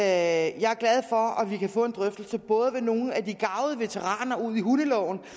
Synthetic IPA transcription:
jɑ̈ɪæɐɡ̥læð̞ˠfɒ̽æʋikʰæfɔ̰̽e̝nd̥ʁœfd̥l̩səb̥ɔ̽ːð̞ˠəʋe̝no̝ːn̩æd̥iɡ̥ɑ̈ʊðˠəʋe̝t͡sʰeʁɑ̰̈ːnɐuð̞̰ˠiɦunəlɒʊn̩

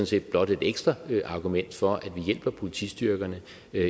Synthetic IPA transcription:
n̩se̝̰ːd̥̚b̥lɒ̽d̥e̝d̥eɡ̥sd̥ʁɐʔɑ̈ɡ̥umen̰d̥fɒ̽ʔæd̥ʋijel̰b̥ɐpʰo̝lit͡sʰḭsd̥yɐɡ̥ɐnə

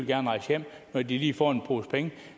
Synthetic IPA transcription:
lɡ̥æɐnʁɑ̈ɪsjem̰ | nɒd̥iliːfɒ̰ːe̝npʰo̝ːspʰeŋə

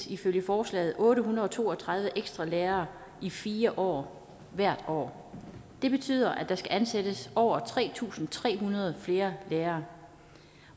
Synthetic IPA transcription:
iføljəfɒːslɛ̰ːð̞̩ˠɔ̽ːɾəɦunɐðˠɒt͡sʰo̝̰ːɒ̽t͡sʰʁɑ̈ð̞ˠʋəʔeɡ̥sd̥ʁɑ̈leːɐː | ifiːɐʔɒ̰ː | ʋæɐ̰d̥ɒ̰ː | d̥e̝b̥e̝t͡sʰy̰ːð̞̰ˠɐʔæd̥ɑ̈sɡ̥æʔænsed̥əsɒʊ̰ɐt͡sʰʁɛ̰ːt͡sʰṵːsn̩t͡sʰʁɛ̰ːɦunɐð̞ˠfle̝ːɐleːɐː

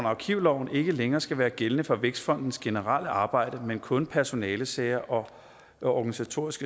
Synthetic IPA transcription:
nɑ̈kʰiʊlɒʊ̰n̩e̝ɡ̥əleŋɐːsɡ̥æʋæːɐɡ̥elənəfɒ̽ʋeɡ̥sfɒ̽n̰d̥n̩sɡ̥e̝nəʁɑl̰əʔɑ̈ːb̥ɑ̈ɪ̰ɾ̥əmenkʰɔ̽npʰæɐso̝nɛːləseɐʔɒ̽ | ɒɡ̥ænisæt͡sʰo̝ɐ̰isɡ̥ə

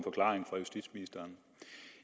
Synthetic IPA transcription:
nfɒ̽kʰlɑ̰̈ːʁeŋfʁɑ̈jusd̥id̥sminisd̥ɐːn

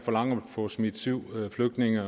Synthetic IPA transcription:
fɒlɑ̈ŋ̰ɐpʰɒ̽smid̥siʊ̰fløɡ̥̚d̥ne̝ŋɐ

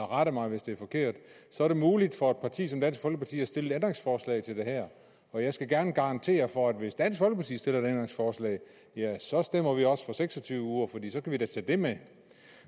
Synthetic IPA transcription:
ʁɑɾ̥əmɑ̈ɪʋe̝sd̥e̝æɐfɒ̽kʰe̝̰ɐ̰d̥sɒ̽ɐɾ̥e̝muːlid̥fɒ̽e̝d̥̚pʰɑ̈t͡sʰḭːsɒ̽md̥æn̰sɡ̥fɒlɡ̥əpʰɑ̈t͡sʰḭːæsd̥e̝le̥end̥ʁeŋsfɒːslɛ̰ɪt͡sʰe̝ld̥e̝ɦæɐ̰ | ɒ̽jɑ̈ɪsɡ̥æɡ̥æɐnəɡ̥ɑ̈ɑ̈nt͡sʰe̝̰ːɐfɒ̽æd̥ʋe̝sd̥æn̰sɡ̥fɒ̽lɡ̥əpʰɑ̈t͡sḭːsd̥e̝lɐedend̥ʁeŋsfɒːslɛ̰ɪ | jæsɒ̽sd̥em̰ɐʋiɒ̽sfɒ̽seɡ̥sɒ̽t͡sʰyːʊʋəuːɐfɒd̥ḭːsɒ̽kʰæʋid̥æt͡sʰɛ̰ːd̥e̝me

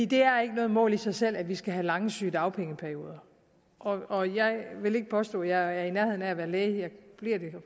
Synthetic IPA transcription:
fḭːd̥e̝æɐe̝ɡ̥ənɔ̽ːð̞̩ˠmɔ̰̽ːlisɑ̈ɪsel̰æʋisɡ̥æɦælɑ̈ŋəsy̰ːd̥ɑ̈ʊpʰeŋəpʰæɐjo̝ːð̞ˠɐ | ʔɒ̽ɒ̽jɑ̈ɪʋe̝le̝ɡ̥əpʰɒ̽sd̥ɔ̰̽ːjɑ̈ɪæɐinæɐheðˠnææʋæːɐleːɪjɑ̈ɪb̥liɐ̰d̥e̝

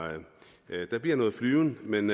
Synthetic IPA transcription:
d̥ɑ̈b̥liɐ̰nɔ̽ːð̩ˠflyːʊn̩men

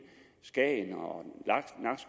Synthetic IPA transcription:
sɡ̥ɛ̰nɒlɑnɑ̈ɡ̥s

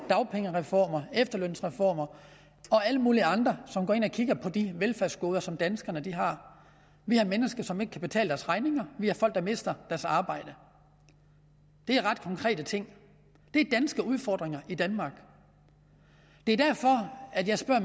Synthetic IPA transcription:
d̥ɑ̈ʊpʰeŋəʁɛfɒ̰ːmɐefd̥ɐløn̰sʁɛfɒ̰ːmɐ | ɒ̽æləmuːliɑ̈nd̥ʁɐsɒ̽mɡɒ̰ːe̝nɒ̽kʰiɡ̥ɐpʰɒ̽d̥iʋelfæɐsɡ̥o̝ːð̞ˠɐsɒ̽md̥ænsɡ̥ɐnəd̥iɦɑ̈ | ʋihɑ̈menəsɡ̥ɐsɒ̽me̝ɡ̥ə̥kʰæb̥e̝t͡sʰɛ̰ːləd̥æɐsʁɑ̈ɪne̝ŋɐʋihɑ̈fɒ̽l̰ɡ̥̚d̥ɑ̈me̝sd̥ɐd̥æɐsɑ̈ːb̥ɑ̈ɪ̰d̥ə | d̥e̝æɐʁɑ̈d̥̚kʰɒ̽ŋkʰʁɛ̰ːd̥ət͡sʰe̝ŋ̰ | d̥e̝æɐd̥ænsɡ̥əuð̞ˠfɒːd̥ʁeŋɐʔid̥ænmɑ̈ːɡ̥ | d̥e̝æɐd̥æɐfɒ̽æd̥jɑ̈ɪsb̥ɶɐ̰

